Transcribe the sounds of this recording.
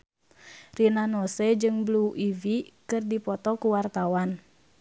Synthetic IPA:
rinanosɛd͡ʒɨŋbluʔivikɨrdipɔt̪ɔkuwart̪awan

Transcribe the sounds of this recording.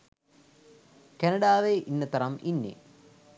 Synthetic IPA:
kɐnɐɽaːʋeʔinːɐt̪ɐɾɐminːḛ

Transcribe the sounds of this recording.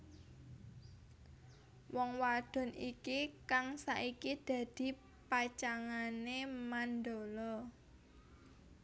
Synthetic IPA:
wɔŋwaɖ̥ɔ̤nikikaŋsaʔikid̪̥ä̤d̪̥i̤ | pat͡ʃaŋanemand̪olɔ

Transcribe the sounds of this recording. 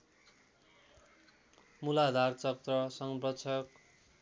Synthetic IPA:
mulad̪ʱart͡sʌkt̪rʌsʌŋbrʌt͡sʰʌk

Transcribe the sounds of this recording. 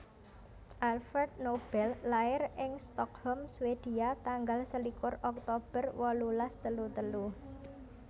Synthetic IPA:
ʔalfərd̪̚nob̥ɛlːaɪrɪŋst̪ɔkhɔmswed̪̥iat̪aŋɡalsəlikʊrɔk̚t̪ob̥ərwɔlulast̪əlut̪əlu

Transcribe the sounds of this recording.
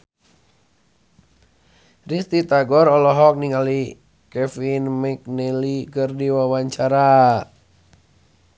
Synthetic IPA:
rist̪it̪aɡɔɾɔlɔɦɔk̚niŋali | kɛfinmɛk̚nɛlikərdiwawaɲt͡ʃaɾa

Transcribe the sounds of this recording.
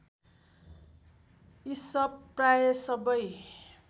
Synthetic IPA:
isʌpːrajesʌbʌj

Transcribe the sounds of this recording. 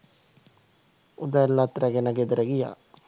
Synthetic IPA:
ud̪alːat̪ɾaɡenaɡed̪ɾaɡija̰

